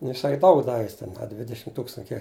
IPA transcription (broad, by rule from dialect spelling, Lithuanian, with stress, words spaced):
nʊ jɪˈsɐɪ ˈdɐʊk ˈdɑːʋʲɪ jɪs tʲɛn ɐ ˈdʲʋʲɪdʲɛʃʲɪm ˈtuːkstɐn ɐ ˈkʲiɛk